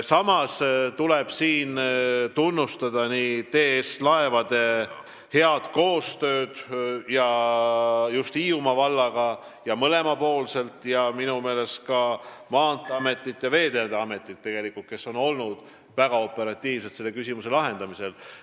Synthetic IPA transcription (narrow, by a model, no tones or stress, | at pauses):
sɑmɑst̪uleb̥siːnt̪unːust̪ɑd̪̥ɑniːt̪e̞ːslɑe̞vɑd̪̥e̞ | he̞ɑd̪̥ko̞ːst̪ø̞ːd̪̥jɑ | just̪iːumɑvɑlːɑɡ̥ɑ | jɑmɤle̞mɑpo̞ːlse̞lt̪ˑjɑminume̞ːle̞st̪kɑmɑːnt̪ːˑɑme̞t̪ːˑit̪ːˑjɑve̞ːd̪ed̪eɑme̞t̪ːˑit̪̚ːe̞ɡ̥e̞likːˑult̪̚ke̞sːo̞no̞lnud̪̥ | væɡ̥ɑo̞pːˑe̞ɾɑt̪ʲːˑiːvse̞t̪se̞lːe̞kysʲimuse̞lɑɦe̞nd̪̥ɑmise̞l